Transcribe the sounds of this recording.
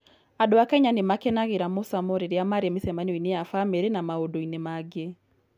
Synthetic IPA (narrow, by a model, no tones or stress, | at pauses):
adoakɛɲanemakɛnaɣeɾamosamoɾeɾeamaɾemesɛmanioinejafameɾenamaodoinemaɡe